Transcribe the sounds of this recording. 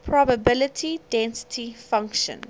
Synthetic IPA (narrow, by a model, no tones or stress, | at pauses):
pʰɹɔbəbɪlətʰidɛ̃nsə̥tʰifãŋkʃə̰̃n